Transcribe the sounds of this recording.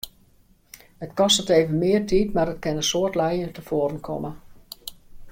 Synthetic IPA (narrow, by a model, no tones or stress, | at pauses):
hətkɔstəteːvənmɪərtʰiːtmarətkɪnəsoətlɛjəntəfoəɾənkʰɔ̰mə